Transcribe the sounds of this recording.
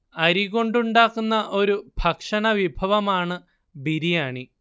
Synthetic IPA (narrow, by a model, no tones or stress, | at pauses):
ɐɾiko̞ɳɖuɳɖaːkːunːɐʔo̞ɾub̥ʱɐkʂɐɳɐʋibʱɐʋɐmaːɳɨ | biɾijaːɳi